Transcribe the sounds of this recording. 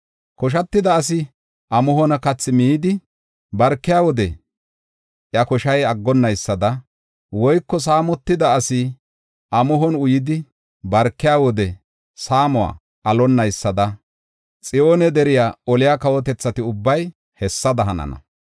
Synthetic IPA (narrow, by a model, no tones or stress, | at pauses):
kɔʃ̬ɐt̪ːɪd̪ɐːs̬ɪ | ʔɐmʊhɔnɐkɐt͡sːɪmiːd̪ɪ | bɐɾkːɪjaːwɔd̪ɛ̰ | ʔjɐkɔʃɐjɐɡːɔnːɐjsːɐd̪ɐ | wɔjkːɔs̬aːmɔt̪ːɪd̪ɐːsɪ | ʔɐmʊɦɔnʊjɪd̪ɪ | bɐɾkːɪjaːwɔd̪ɛ | saːmʊwa̰ː | ʔɐlɔnːɐjsːɐd̪ɐ | t͡sʼɪjoːnɛd̪ɛɾɪjaːɔlɪjakɐwɔt̪ɛt͡sːɐt̪ɪʊbːɐj | hɛsːɐd̪ɐɦɐnɐ̰nɐ̰